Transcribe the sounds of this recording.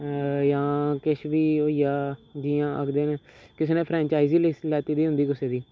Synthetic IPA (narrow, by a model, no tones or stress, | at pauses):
jãːkɪʃʋiːoːɪjaːd͡ʒiːãːʔə̰kʰd̪eːnẽːkɪseːnẽːpʰɾɛ̃ːɲt͡ʃaːiziːlɛːt̪iːd̪iːɦʊ̃nd̪iːkɪseːd̪iː